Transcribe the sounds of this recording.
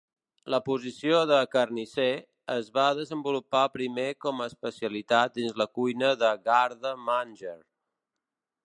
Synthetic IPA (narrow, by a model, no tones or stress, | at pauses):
ləpuzisioðəkərnise | əzβaðəzəmbulupapɾimekɔməːspəsiəlit̪at̪̚d̪inzləkujnəðəɣaɾðəmanʲʒəɾ